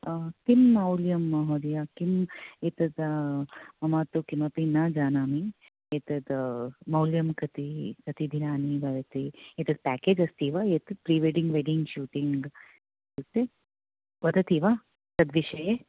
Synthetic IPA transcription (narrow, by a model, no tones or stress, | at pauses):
k̪imːɐwljɐmːɐɦoːd̪ɐjakimet̪ɐd̪ | mɐmaːt̪ukimɐpinad͡ʒaːnaːmi | et̪ɐd̪mɐwljɐmkɐt̪ikɐt̪id̪ʱinaːnibɐɾɐt̪iet̪ɐd̪̚pæːkeːd͡ʒɐst̪iːʋaet̪ɐd̪pɾiːʋeːɖiŋɡʋeɖiŋɡʃuːʈiŋɡ | sut̪e | bɐd̪ɐt̪iːʋa | t̪ɐd̪ʋiʃɐje